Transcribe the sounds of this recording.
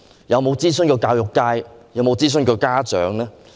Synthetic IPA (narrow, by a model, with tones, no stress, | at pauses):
jɐ˨˧wmo˨˧wt͡siː˥sɵ˥nkɔː˧kaː˧wjʊ˨kːaː˧jjɐ˨˧wmo˨˧wt͡siː˥s̬ɵ˥nkɔː˧kaː˥t͡ʃœ̰ː˨˥ŋlɛː˥